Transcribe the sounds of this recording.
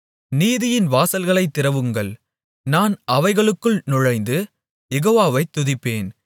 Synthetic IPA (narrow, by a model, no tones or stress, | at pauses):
niːðɪjɪnʋaːsɐlɣɐɭɐɪt̪ːɪɾɐʋɯŋɡɐɭ | naːnɐʋɐɪɣɐɭɯkːɯɭnʊɻɐɪnd̪ɯ | jɛɣoːʋaːʋɐɪt̪ːʊðɪpːeːn